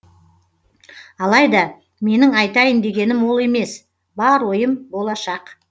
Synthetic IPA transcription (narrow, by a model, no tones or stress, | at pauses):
ɑlˠɑjd̪ɑ | me̞nɪŋɑjt̪ɑjənd̪e̞ɡʲe̞nɪmwo̞lˠe̞me̞s | bɑɾwo̞jəmbo̞lˠɑʃɑq